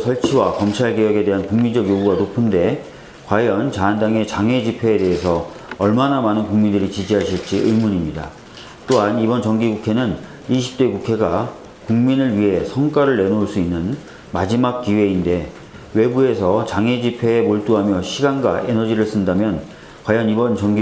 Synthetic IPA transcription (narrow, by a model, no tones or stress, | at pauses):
sʰʌɭt͡ɕʰiwakʌmt͡ɕʰaɭɡejʌɡe̞de̞ɦankuŋmind͡ʑʌɡjoɡuɡanopʰɯnde̞ | kwajʌnt͡ɕaːndaŋe̞t͡ɕaŋɦe̞d͡ʑipʰe̞ːde̞ɦesʰʌ | ʌɭmanamanɯnkuŋmindɯɾit͡ɕid͡ʑiɦaɕʰiɭt͡ɕ͈iʔɯjmuɲimɲida̰ | t͈oɦanibʌnt͡ɕʌŋɡiɡukʰe̞nɯn | iɕ̬ʰi̥p̚t͈we̞ɡukʰe̞ɡa | kuŋminɯɭɥiɦe̞sʰʌŋk͈aɾɯɭːe̞nouɭs͈uinːɯn | mad͡ʑimak̚k͈iwe̞inde̞ | we̞bue̞sʰʌt͡ɕaŋɦe̞d͡ʑipʰe̞ːmoɭt͈uɦamjʌɕʰiɡanɡa̰ʔe̞nʌd͡ʑiɾɯɭs͈ɯndamjʌn | kwajʌnibʌnt͡ɕʌŋɡi